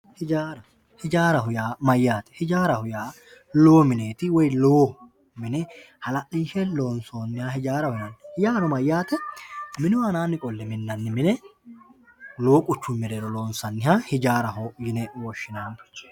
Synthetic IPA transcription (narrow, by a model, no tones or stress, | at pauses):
hɪd͡ʒaːɾɐ | hɪd͡ʒaːɾɐɦʊjaːmɐjːaːt̪ɛ̥hɪd͡ʒaːɾɐhʊjaː | loːmɪneːt̪ɪwɔjloː | mɪnɛ | hɐlɐʔɪnʃɛlo̞ːnsoːnːɪhaːhɪd͡ʒaːɾɐhʊjɐnːhɪjaːnɔmɐjːaːt̪ɛmɪnʊwanaːnːɪkʼɔlːɛmɪnːɐnːɪmɪnɛ | lo̞ːkʼʊt͡ʃːʊmɪɾeːɾɔloːnsɐnːɪɦahɪd͡ʒaːɾɐɦojɪnɛwɔʃːɪnaːnt͡ʃ